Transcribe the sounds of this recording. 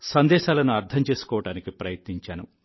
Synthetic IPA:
sɐnd̪ɛːʃaːlɐnuɐɾt̪ʰɐmt͡ʃe̞ːsu̥kɔːʋɐɽaːnikipɾɐjɐt̪niɲt͡ʃaːnṵ

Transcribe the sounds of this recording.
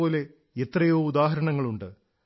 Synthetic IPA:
o̞ːle̞ | et̪rɐjoːud̪aːɦɐɾɐɳɐŋːɐɭuɳɖɨ

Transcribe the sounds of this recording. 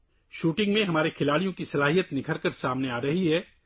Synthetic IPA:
ʃuːʈɪ̃ŋɡmẽɦɐmaːɾekʰɪlaːɽijõkisɐlaːɦijət̪nɪkʰəɾkəɾsaːmneaːɾɐɦiɦɛː

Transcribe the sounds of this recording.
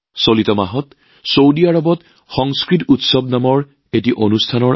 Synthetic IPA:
solitɔmaɦɔt | sowdiaɹɔbɔt | xɔŋskɹitutsɔbnamɔɹ | etiʔonustʰanɔɹ

